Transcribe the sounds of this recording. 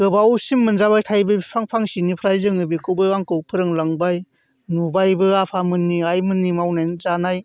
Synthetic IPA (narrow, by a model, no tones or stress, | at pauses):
kɯbawsimːɯnzabajtʰajbɯipʰaŋpʰaŋsinipʰɾajzɯŋɯbikɯwbɯaŋkɯwpʰɯɾɯŋlaŋbaj | nubajbɯapʰamɯnːiajmɯnːimawnajzanaj